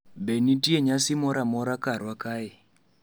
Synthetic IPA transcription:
benitiɛɲasimɔɾamɔɾakaɾwakaɛ

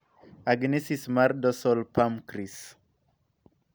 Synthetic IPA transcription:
aɡnisismardɔsɔlpamkɾis

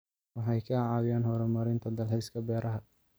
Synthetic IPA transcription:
wɑħɑjkʰɐʕɑːɣɪjaːnhɔɾɔmɐɾɪnt̪ʰɐd̪ɐlħɛjskʰɐbɛːɾɐɦɐ

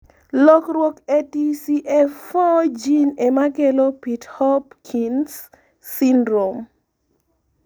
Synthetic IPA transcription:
lɔkɾwɔketisiʔɛfɔd͡ʒinemaɡelopithɔpkʰinsː | indɾom

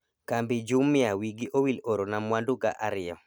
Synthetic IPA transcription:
kambɪd͡ʒumːɪawiɡiʔowiloɾonamwandʊka̰ʔaɾɪɔ

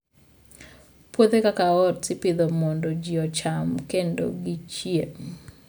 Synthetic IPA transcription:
pwod̪ekakaɔtsɪpɪd̪ɔmɔndod͡ʒiɔt͡ʃamkendo̰ɡit͡ʃjep

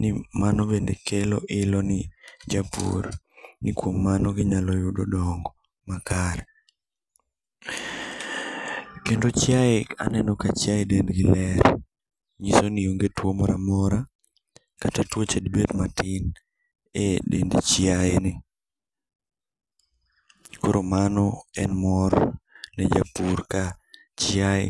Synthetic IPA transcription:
nɪmanɔbendekelɔ̰ʔɪlɔnɪd͡ʒapṵɾ | nikwomːanɔɡɪɲalɔjʊdɔdɔŋɡɔ | makaɾɛ | kendot͡ʃjaea̰nɛnɔkat͡ʃjaedendɡɪlɛɾ | ɲisonijoŋɡetwomɔɾamɔɾa | katatwot͡ʃedbetmatɪn | edḛndt͡ʃjaenɪ | koɾomanɔɛnmɔɾnɛd͡ʒapuɾka | t͡ʃjaḛ

